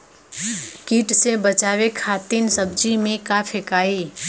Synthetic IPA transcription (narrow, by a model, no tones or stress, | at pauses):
kiʈsebət͡ʃaːʋekʰat̪insəb̚d͡ʒimẽkapʰekaːiː